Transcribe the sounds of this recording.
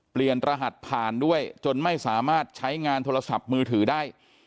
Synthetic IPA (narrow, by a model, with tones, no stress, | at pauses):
pli˨˩ənɾa˧ɦa˨˩t̪̚pʰaː˨˩ndu˥˩əjt͡ɕo˧nma˥˩jsaː˩˦maː˥˩t̪̚t͡ɕʰa˦˥jŋaː˧nt̪ʰoː˧ɾa˧sa˨˩p̚mɯː˧t̪ʰɯː˩˦daː˥˩j